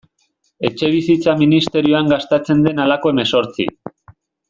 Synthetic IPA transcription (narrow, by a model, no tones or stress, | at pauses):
e̞t͡ʃe̞β̞isit͡saminist̪e̞ɾioaŋɡast̪at͡se̞nd̪e̞nalako̞e̞me̞so̞ɾt͡sḭ